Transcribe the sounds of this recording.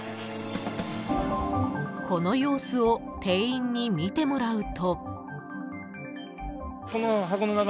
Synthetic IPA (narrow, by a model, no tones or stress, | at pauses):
kʰo̞no̞jo̞ːsɨot̪ʰe̞ːĩɲ̟ːimʲit̪e̞mo̞ɾaɯ̟t̪o̞ | konoɦakononak